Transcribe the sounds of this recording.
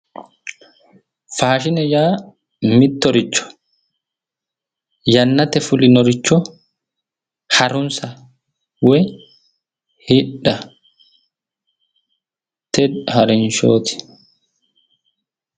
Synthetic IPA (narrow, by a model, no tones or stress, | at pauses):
faːʃɪnɛjaː | mɪt̪ːɔɾɪt͡ʃːɔ̥ | jɐnːɐt̪ɛfʊlɪnɔɾɪt͡ʃːɔ | hɐɾʊnsɐ | wɛ | hɪᶑɐ | t̪ɛdhɐɾɛnʃoːt̪ɪ̥